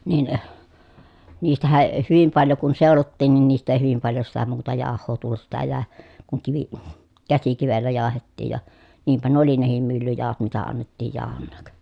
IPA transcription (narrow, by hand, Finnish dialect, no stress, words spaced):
nin niːstæhæʔ ʔe hyʋim pɑljo kun seˑolotːiːn nin niːst eˑi hyʋim pɑljo sitæ muːtɑ jɑˑohˑoː tulːut sitæ jæˑe kuŋ kiʋi kæsikiʋelːæ jɑːhetːiːj jɑ niːmpæ nuŏ oli nehim mylːyjɑˑohot mitæ ɑnːetːiːj jɑˑohonːɑːk